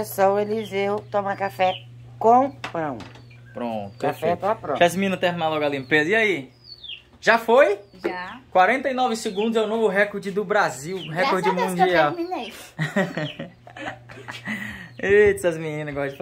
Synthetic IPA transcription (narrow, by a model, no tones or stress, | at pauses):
esɐ̃w̃elizewt̪õmaɾkafɛ | kõpɐ̃w̃ | pɾõ̰t̪afɛt̪oapɾõʒazmiĩnɐ̃t̪ɛ̃minalɔɡalĩmpezɐiai | ʒafojʒakwaɾẽnt̪ɐinɔvɪsɪɡũnd̪ʊzɛw̃novʊɦɛkoɾd͡ʒɪd̪ʊbɾaziwɦɛkoɾd͡ʒɪmũd͡ʒiawmĩnej | itsɐzmĩnĩnɐɡɔd͡ʒɪf